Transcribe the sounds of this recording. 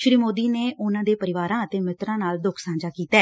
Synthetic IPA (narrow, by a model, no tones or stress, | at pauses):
ʃɾiːmoːd̪iːneːʔʊnãːd̪eːpəɾɪʋaːɾãːət̪eːmɪt̪ɾãːnaːld̪ʊkʰsãːd͡ʒaːkiːt̪aː